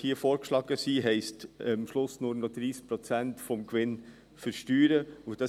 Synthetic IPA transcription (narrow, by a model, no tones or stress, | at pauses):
hiəfoːɾkʃlɑːɡəsiːɦɛɪstmʃlʊsnʊɾnɔd̥̪ɾiːs̚pɾɔt͡sæntfɔmkʋɪn | fəɾʃtyːɾəʊd̥ɑ